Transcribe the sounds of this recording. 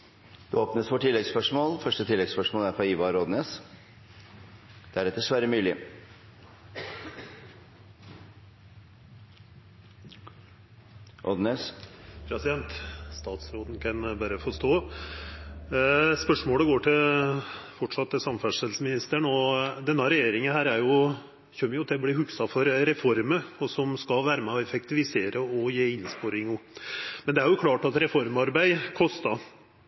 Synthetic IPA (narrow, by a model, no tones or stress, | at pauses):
d̪̥ʉoːpnəsʋoːʈʰɪlːɛɡspœʂmoːlfœʂʈət̪ʰɪlːɛɡspœʂmoːlæɾfɾɑiːʋɑɾoːd̪neːs | d̪̥æɾɛt̪d̪ɛsʋæɾəmʉːlɪ | ʔɔ̰d̪neːspʰɾɛsɪd̪ɛnt̪st̪ɑːt̪sɾoːd̪n̩kʰɑnbæːɾəfɔʂt̪oː | spœʂmoːləɡoːʈʰɪl | fɔʈʂɑt̪ːɛsɑmfæʂɛlsəmɪnɪst̪əɳɔd̪ɛnːɑɾɛjeːɾɪŋənhæːɾæɾjʊ | çœmːəjʊt̪ʰɛblɪhʉksɑfɔɾɾɛfɔɾməɔsɔmskɑlʋæːɾəmɛɔɛfɛk̚t̪ɪʋɪseːɾəɔjeːɪnspoɾɪŋumɛnd̪ɛæɾjʊkʰlɑːʈɑt̪ɾɛfɔɾmɑɾbæɪkʰɔst̪ɑ